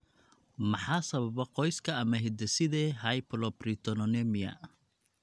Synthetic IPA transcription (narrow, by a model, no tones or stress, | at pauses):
mɑħɑːsɐβɐβɐqɔjskʰɐɐmɐɦɪd̪ɛsɪðɛːɦɐjpʰlɔprit̪ʰɔnɔnɛmɪjɐ̰